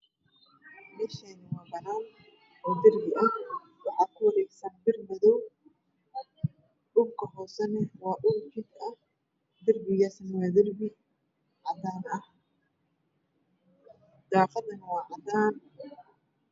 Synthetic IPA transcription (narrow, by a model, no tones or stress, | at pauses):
mɛːʃɛːnɪwɑːbɐnaːn | ʔɔːd̪ɐrbɪʔɐh | wɑħɑːkʰʊwɐɾɛːɡsɐnbɪrmɐðɔw | ʔʊbkʰɐhɔːsɐnɛwɑːʔʊbd͡ʒɪd̪ɐh | d̪ɐrbɪɣaːsnɐwaːd̪ɐrbɪ | ʕɑd̪aːnɐh | d̪̥aːfɐd̪ɐnɐwɑːʕɑd̪aːn